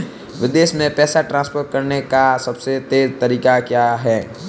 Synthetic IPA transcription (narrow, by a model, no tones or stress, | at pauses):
ʋɪd̪eːʃmẽpɛːsaʈɾãːnspoːʈ̚kɐɾnekasɐbset̪eːɾt̪ɐɾiːkakjaːɦɛː